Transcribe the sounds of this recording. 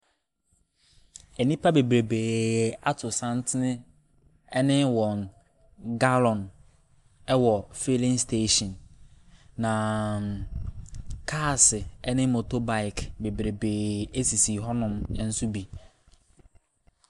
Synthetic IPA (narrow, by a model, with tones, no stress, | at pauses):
e˨nĩ˦pʰa˦be˨bɾe˨beː˨a˦tʰʊ˨sã˦n˦tʰɪ˦nɪ̃˦ | ɛ˦nɪ̃˦wɔ˨n | ɡa˦lɔ̃˨n | ɛ˦wɔ˨fe˦lɪ̃˦nstʰe˦ʃɔ̃˨nː | ã˨ | kʰaː˦˨sɪ˨ɛ˦nɪ̃˦mo˨to˦ba˦ɪ˨kʰbe˨bɾe˨beː˨e˦si˨si˨ɦɔ˦nʊ̃˦m˦n̩˦sʊ˦bi˨